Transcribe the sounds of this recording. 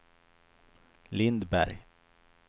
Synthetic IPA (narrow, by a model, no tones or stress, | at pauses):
lɪnd̪bæɾj